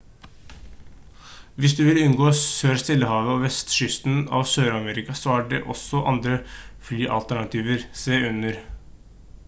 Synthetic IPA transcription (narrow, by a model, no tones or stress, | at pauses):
ʋɪsd̪ʉːʋɪlʉnɡoːsøːɾst̪ɪlːəhɑːʋəɔːʋɛst̪ʃʏst̪n̩ɑ̰ʋsøːɾɑmeːɾɪkɑsɔæːɖɛ̰ʔɔ̰sɔʔɑ̰nd̪ɾəflyːʔɑ̰lt̪æɳɑt̪ʰiːʋəɾseːʉnəɾ